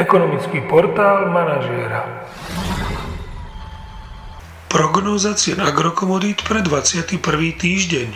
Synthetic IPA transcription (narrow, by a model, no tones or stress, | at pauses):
ɛkɔnɔmit͡skiːpɔɾt̪aːlmanaʒɪɛɾa | pɾɔɡnɔːzat͡sɪɛnaɡɾɔkɔmɔd̪it̪pɾɛd̪ʋat͡sɪat̪ipr̩ʋiːt̪iːʒɟɛɲ